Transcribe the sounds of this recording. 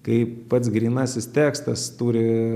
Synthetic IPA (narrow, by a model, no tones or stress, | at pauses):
kɐɪpɐt̪sɡɾʲiːnɑːsʲɪst̪ʲæːkst̪ɐst̪uːɾʲɪ